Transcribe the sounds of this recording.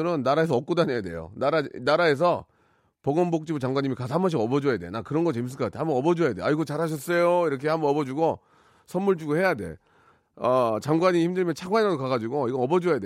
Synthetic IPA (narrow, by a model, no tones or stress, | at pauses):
ɯɾɯnːaɾaes̬ʰʌʌk͈̚odanejade̞̰jo̰naɾanaɾae̞s̬ʰʌ | pʌɡʌmbok̚t͡ɕ͈ibut͡ɕaŋɡwaɲimikas̬ʰʌɦambʌɕ̬iɡʌbʌd͡ʑojade̞nakɯɾʌnɡʌt͡ɕems̬ɯɭkʌk͈atʰehambʌnʌbʌd͡ʑoejadeaiɡot͡ɕaɾɦaɕ̬ʰʌs͈ʌjoiɾʌkʰe̞hambʌnʌbʌd͡ʑuɡo | sʰʌmːuɭd͡ʑuɡohe̞jade̞̰ | ʌt͡ɕaŋɡwaɲimiçindɯɭimjʌnt͡ɕʰaɡwaɲiɾadokaɡad͡ʑuɡoiɡʌʌbʌd͡ʑojade